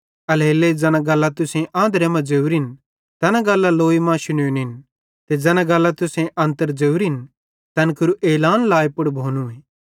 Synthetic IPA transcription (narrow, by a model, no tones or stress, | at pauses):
ɐlɦeːlːed͡zɛnãɡɐlːat̪ʊsẽʔãːd̪ɾemɐ̃d͡ʒeːuɾɪn | t̪ɐnãɡɐlːaloːimãːʃʊnenɪn | t̪ed͡ʒɛːnãɡɐlːat̪ʊsẽʔɐ̃nt̪əɾd͡ʒeuɾɪn | t̪ɐnkʊɾuʔeːlaːnlaːepʊɽbʱoːnueː